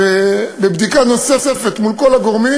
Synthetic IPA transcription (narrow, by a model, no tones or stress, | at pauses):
ebebd̪ikano̞sesefe̞t̪mulko̞laɡo̞ʁmi